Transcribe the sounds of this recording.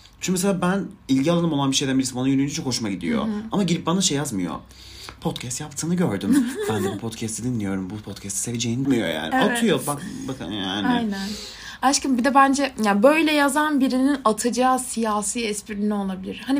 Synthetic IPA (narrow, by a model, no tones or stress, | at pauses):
t͡ʃʰynmeselʲaːbænilʲɟialˠanɯmo̞lˠanbiʃejd̪æmbilʲismbanajynyynd͡ʒyt͡ʃʰokho̞ʃumaɟid̪ḭjo̰amaɟidɾip̚banaʃejːazmɯjo̰ | pʰo̞t̪cʰɛst̪japt̪ʰɯːnɯɟøɾd̪ymbænd̪ɛbupʰot̪cʰɛst̪ʰid̪inlːʲijo̞ɾumbupʰot̪cʰɛst̪i̥se̞ved͡ʒejinmijo̰ja̰ːnat̪ʰɯjobakbakʰaja̰ːnaɪjnæn | at͡ʃcimbid̪ɛbænd͡ʒɛjabø̞jlʲɛjazanbiɾininat̪ʰɯd͡ʒaːsijaːsiːɛspiɾinio̞lˠabilʲiɾhani